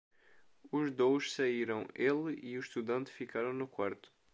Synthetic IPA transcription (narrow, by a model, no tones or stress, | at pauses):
uʒd̪owʃsaiɾɐ̃w̃elˠiʊʃt̪uðɐ̃nt̪fikaɾɐ̃w̃nʊkwaɾt̪ʊ̥